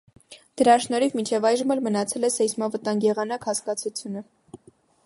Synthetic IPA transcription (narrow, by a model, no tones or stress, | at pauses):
d̪̥əɾɑʃnɔɾivmint͡ʃʰɛvɑjʒəmɛlmənɑt͡sʰɛlɛsɛjsmɑvət̪ɑŋɡjɛʁɑnɑkhɑskɑt͡sʰut͡sʰjunə